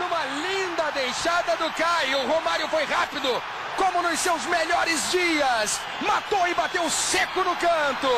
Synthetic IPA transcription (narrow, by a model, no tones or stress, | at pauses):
nũmɐlĩnd̪ɐd̪ejʃad̪ɐd̪ʊkajʊɦomaɾjʊfojhapid̪ʊ | kõmʊnʊssewzmeʎɔɾɪzd͡ʒiɐs | mat̪oɪbat̪ewʊsekʊnʊkɐ̃t̪ʊ